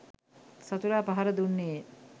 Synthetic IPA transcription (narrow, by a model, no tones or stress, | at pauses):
sat̪uɾaːpaɦaɾəd̪unːej